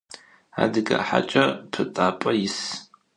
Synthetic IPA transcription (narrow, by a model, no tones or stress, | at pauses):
a̰ːdɨkʼaħa̰t͡ʃʼɐpʰɨtʼaːpʼɐjɪs